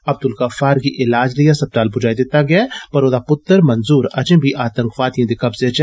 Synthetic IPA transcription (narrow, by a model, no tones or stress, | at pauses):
ɐb̚d̪ʊlkɐfaːɾkiʔɪlaːd͡ʒlɐjasɐb̚t̪aːlbʊd͡ʒaːid̪eːt̪aɡjapɐɾoːd̪apʊt̪ːəɾmɐnzuːɾɐd͡ʒẽbʱiʔaːt̪ə̃ŋkʋaːt̪ijẽd̪ikɐbzeɐt͡ʃɛ